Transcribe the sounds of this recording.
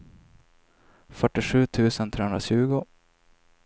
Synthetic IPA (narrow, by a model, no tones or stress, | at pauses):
fœʈːɪʂʉ̟ːt̪ʰʉ̟ːsənt̪ʰɾeːhɵnɾaɕʉ̟ːɡʊ